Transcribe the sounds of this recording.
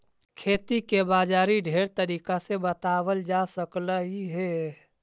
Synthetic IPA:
kʰeːt̪ikebaːd͡ʒaːɾiɖʱeːɾt̪əɾiːkasebət̪aːwəld͡ʒaːsəkləɦiɦɛː

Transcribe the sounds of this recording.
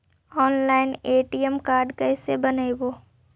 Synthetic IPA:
ɔːnlaːɪneːʈiəmkaːɾɖkɛːsebɐnəiboː

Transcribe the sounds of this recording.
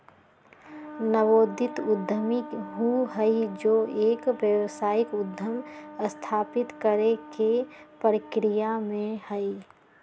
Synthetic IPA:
nəʋoːd̪ʱɪt̪ʊd̪ʱːəmiɦuɦəid͡ʒoːeːkʋjəwʋsaːjɪkʊd̪ʱːəməst̪ʰaːpɪt̪kəɾekepəɾəkɾijamẽhəi

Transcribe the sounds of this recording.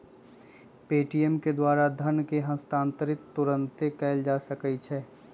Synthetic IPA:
peːʈijɛmked̪waːɾad̪ʱənkeɦə̃st̪ãːnt̪əɾɪkt̪ːʊɾə̃nt̪ekɛːld͡ʒaːsəkəit͡ʃʰɛː

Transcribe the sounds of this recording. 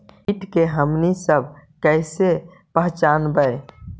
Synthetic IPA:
iʈkeɦəmnisəbʱkəɪse | pəɦt͡ʃaːnbəɪ

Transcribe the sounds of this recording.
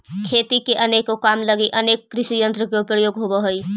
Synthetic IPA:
kʰet̪ikeʔənekokamləɡiʔənekːɾɪʃijənt̪ɾəkeupəjoɡɦobəɦoi

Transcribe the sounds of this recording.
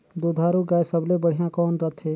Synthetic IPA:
d̪oːd̪ʱaːɾuɡaːjsəblebəɽ̤ijãkɔːnɾət̪ʰɦeː

